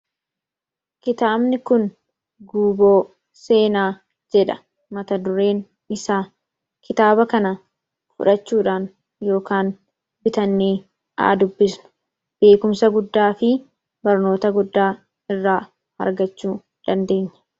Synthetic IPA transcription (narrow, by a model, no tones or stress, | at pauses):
kɪt̪aːbnɪkʊn | ɡuːboː | seːnaː | d͡ʒɛᶑɐ | mɐt̪ɐd̪ʊɾe̞ːn | ɪsaː | kɪt̪aːbɐkɐnɐ | fʊ̰ᶑɐt͡ʃːuːᶑaːn | jo̞ːkaːn | bɪt̪ɐnːiː | ʔa̰ːd̪ʊbːɪsnʊ̥ | b̥e̞ːkʊmsɐɡʊd̪ːaːfɪ | bɐɾno̞ːt̪ɐɡʊd̪ːaː | ɪrːaː | hɐ̰ɾɡɐt͡ʃːuː | d̪̥ɐnd̪e̞ːɲːɐ̥